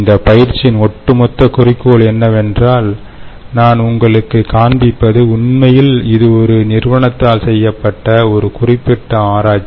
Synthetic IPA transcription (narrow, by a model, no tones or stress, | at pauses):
nd̪ɐpɐjɪɾt͡ʃːɪnɔʈːɯmɔt̪ːɐkʊrɪkːoːɭɛnːɐʋɛndraːl | naːnʊŋɡɐɭɯkːɯkaːnbɪpːɐðɯʊnmɐjɪlɪðɯɔɾɯnɪrʋɐɳɐt̪ːaːlsɛjːɐpːɐʈːɐɔɾɯkʊrɪpːɪʈːɐaːɾaːt͡ʃː